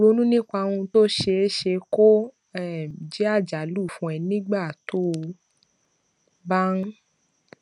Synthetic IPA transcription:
ɾo˨˦nũ˦nĩ˦k͡pa˧wũ˧to˦ʃe˧˦ʃe˧ko˦ | ɛ˦˨d͡ʒɛ˦a˦˨d͡ʒa˨lu˦˨fũ˧ɛ˧nĩ˦ɡ͡ba˦˨to˦˧ | ba˦n̩˦

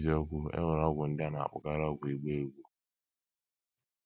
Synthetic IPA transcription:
zi˨˦ɔ˦ɡʷʊ˦ḛ˦ŋʊ˨ɾɔ˦ɡʷʊ˨n̩˦da˦na˨a̰˨k͡pʊ˨ka˦ɾɔ˦ɡʷʊ˨i˨ɡ͡be˦e˨ɡʷu˦

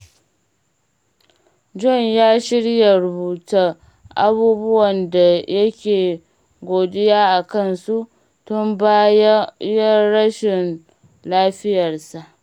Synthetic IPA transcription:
d͡ʒɔ˦ɲjaː˦ʃɪ˦ɽja˨ɾʊ˨buː˨ta˦ | ʔa̰˦buː˦bʊ˦wɐ˨nda˨jɐ˦kʲeː˨ | ɡʷoː˨dɪ˦jaː˦ʔa˨kɐ˦˨nsu˦ʔ | tʊ˦mba˦jɐ˦ɽɐ˦ʃɪ˨n | laː˦ɸɪ˦jɐ˨rsa˨ʔ

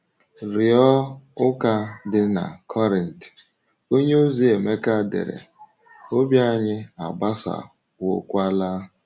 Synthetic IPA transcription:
ɾɪ˨ɔ˦ʊ˦ka˦dɪ˦na̰˨kʰɔ˦ɾɪ˨n̩˨t | o˦ɲe˦o˦zi˦e˨me˦ka˦dḛ˨ɾḛ˨ | o˦bja˦˨ɲɪ˦a˨ɡ͡ba˦sa̰˨ | wo̰˨kʷa˦laː˦

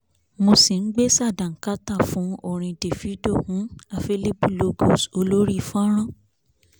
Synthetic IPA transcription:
mo˧si˨n̩˦ɡ͡be˦sa˦˨dã˨ŋ̩˨ka˦ta˦˨fũ˨˦o˦˨ɾ̃ĩ˧de˨fi˨˦do˦˨hũ˨˦a˦˨fe˧li˦pu˦˨lo˧ɡo˦˨so˧lo˦ɾi˦˧˨fũ˦ɔ˦ɾ̃ã˦˨

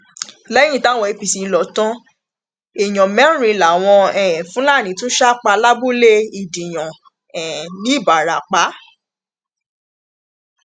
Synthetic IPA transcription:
lɛ̃˦ĩ˦ta˦˨w̃ɔ̃˧e˧pi˨si˨˧˨lɔ˨tɔ̃˦ | e˨j̃ɔ̃˨mɛ̃˨˦ɾ̃ĩ˨˧la˨w̃ɔ̃˧ɛ̃ː˨fũ˨˦la˦˨nĩ˨˦tũ˦ʃa˦k͡pa˧la˦bu˦le˦i˨dĩ˨j̃ɔ̃˨ | ɛ̃˨nĩ˨˦˨ba˨ɾa˨k͡pa˨˦

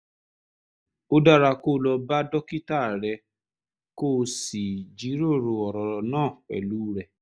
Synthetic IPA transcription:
o˦da˦˨ɾa˧koː˦˨lɔ˧ba˦dɔ˦ki˦ta˦˨ɾɛ˧ | ko˦˨si˨d͡ʒi˨˦ɾo˦˨ɾo˧ɔ˨ɾɔ˨nãː˦˨ɛ̰˨luː˨˦ɾɛ˨

